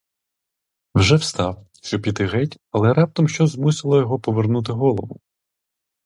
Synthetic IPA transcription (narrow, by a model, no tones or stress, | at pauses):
wʒɛwst̪ɑw | ʃt͡ʃɔpʲid̪ɪɦɛtʲɐlˠɛɾɑp̚t̪ɔmʃt͡ʃɔzmusɪlˠɔjɔɦɔpɔʋernut̪̬ɪɦɔlˠɔʋʊ̰